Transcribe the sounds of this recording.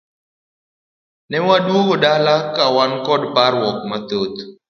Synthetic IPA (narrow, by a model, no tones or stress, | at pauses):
nɛwadwokodalakawankɔdparwɔk̚mat̪ot̪